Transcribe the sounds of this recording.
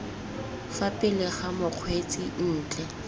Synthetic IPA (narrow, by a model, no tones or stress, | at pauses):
fapʼɪlɪχamʊq͡χʰwet͡sʼin̩ːt͡ɬʼɛ